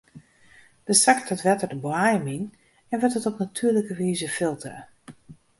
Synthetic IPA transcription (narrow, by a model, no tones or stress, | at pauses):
d̥əsaktətʋɛtədəbwajəmin | ɛnʋətətɔpnatʰyːələkəʋiːzəfɪlˠtrə̰